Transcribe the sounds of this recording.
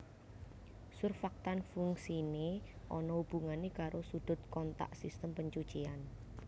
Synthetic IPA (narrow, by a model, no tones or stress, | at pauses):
sʊrfak̚t̪anfuŋsineʔɔnɔub̥uŋanekaɾosuɖ̪̥ʊ̤t̪̚kɔnt̪a̰ʔsist̪əmpəɲt͡ʃut͡ʃian